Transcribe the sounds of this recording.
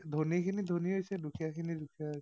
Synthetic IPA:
dʱonikʰinid̪ʱoniɦojsɛdukʰijakʰinidukʰia

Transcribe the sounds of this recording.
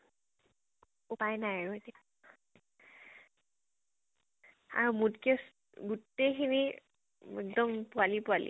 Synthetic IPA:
upajnajaɹuetija | a̰ɹumudkes | ɡutːejkʰini | ɛkdɔmpʊalipʊalḭ

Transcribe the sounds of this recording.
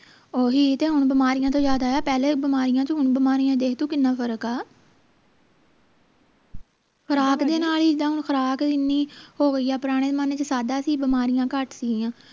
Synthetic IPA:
oːɦiːt̪eːɦʊɳ̃bɪmaːɾɪjãːt̪õːd͡ʒjaːd̪aːaːpɛːleːbɪmaːɾɪjãːt͡ʃɦʊɳbəmaːɾijãːd̪eːkʰd̪uːkɪnːãːpʰəɾəkaː | kʰəɾaːkd̪eːnaːliːd͡ʒɪd̪ãːɦʊɳkʰəɾaːkɪnːiːhoːɡəiːaːpəɾaːɽ̃eːmanet͡ʃsaːd̪aːsiːbɪmaːɾɪjãːkəʈsɪɡɪjãː

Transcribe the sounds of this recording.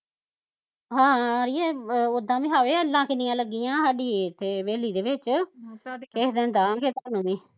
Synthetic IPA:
ɦãːɾiːɛːʊd̪ãːʋĩːɦaːʋeːəlːãːkɪnijãːləɡːijãːsaːɖiːt̪eːʋeːliːd̪eːʋɪt͡ʃ | kɛːɦd̪ẽːnd̪ãːɡeːt̪aːnũːʋĩː

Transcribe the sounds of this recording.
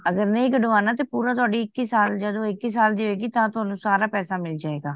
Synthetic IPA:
əɡəɾnəĩːɡəɖʋaːnaːt̪eːpuːɾaːt̪̬ʊaːɖiːɪkːiːsaːld͡ʒəd̪õːɪkːisaːld̪iːɦoeːɡiːt̪ãːt̪ʊɦaːnũːsaːɾaːpɛːsaːmɪld͡ʒaːeːɡaː

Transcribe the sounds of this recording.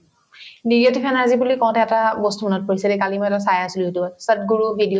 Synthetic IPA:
niɹjɔtipʰɛnaɹzibulikɔ̃w̃tɛɛtabɔstumɔnɔt̚poɹisɛlɛkalimɔjɛtasajasuliɦotusət̚ɡuɹubʱidi

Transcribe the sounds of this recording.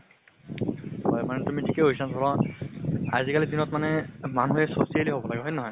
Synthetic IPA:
hɔjmanɛtumitʰikeɦojsansɔlɔ | a̰zikalidinɔtmanɛmanuɦɛsosialiɦobɔlaɡɛɦɔjnɔɦɔj

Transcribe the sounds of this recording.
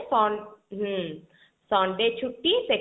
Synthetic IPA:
sɔ̃ːnɦ | sɔːnɖet͡ʃʰuʈːise

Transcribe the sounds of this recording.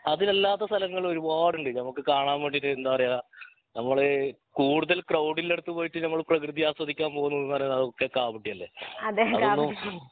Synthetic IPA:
ɐðile̞lːaːt̪ːɐst̪ʰɐlɐŋːɐɭo̞ɾubaːɽuɳɖɨnɐmukːɨkaːɳaːmʋeːɳɖiʈːɨend̪aːʋɐrɐjaː | nɐmːɐɭɨkuːɽuðɐlkrɐwɖile̞ɽut̪ːupoːjiʈːɨnɐmːɐɭprɐkrɨðijaːswɐd̪ikʲːaːmpo̞ːɣunːɐnːɐrejɐɐðokːekaːpiʈːijɐlːḛɐɐonːu

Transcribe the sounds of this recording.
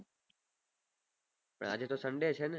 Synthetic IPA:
pə̰ɳa̰d͡ʒet̪osə̃ɳɖet͡ʃʰenɛ

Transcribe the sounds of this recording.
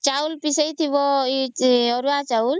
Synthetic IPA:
t͡ʃaulpisəjt̪ʰiʋɔ | ɔɾuat͡ʃaul

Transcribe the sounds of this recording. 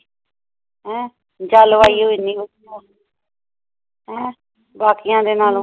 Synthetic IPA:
ɦɛ̃ː | d͡ʒaːlʋaːiːɦoːiːniːɦo | ɦɛ̃ː | baːkɪjãːd̪eːnaːl

